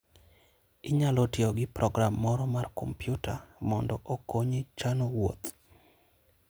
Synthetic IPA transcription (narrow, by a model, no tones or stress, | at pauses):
ɪɲalotioɡɪpɾɔɡɾamːɔɾɔmarko̰mpjʊtʰamɔndɔʔokoɲet͡ʃanowo̰t̪